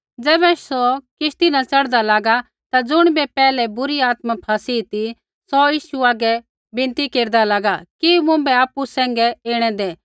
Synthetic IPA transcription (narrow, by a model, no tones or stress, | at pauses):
d͡zɛːbɛsɔkɪʃt̪inɐt͡sɐɽd̪alaːɡa | t̪ad͡zʊɽ̃bɛpɛːlɛbʊɾiaːt̪mapʰaːsit̪i | sɔjiːʃuaːɡɛ | bɪ̃nt̪ikeːɾd̪alaːɡakimʊ̃bɛaːpusɛ̃ːŋ̆ɡɛeːɽ̃ɛ̃d̪eː